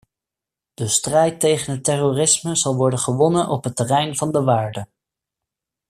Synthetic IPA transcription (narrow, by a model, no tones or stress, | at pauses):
d̥əstrɛjtejχənɦətɛroːrɪsməzɑlˠʋɔɹdəχəʋɔnənʔɔpɦətərɛjnvɑndəʋaːɹdə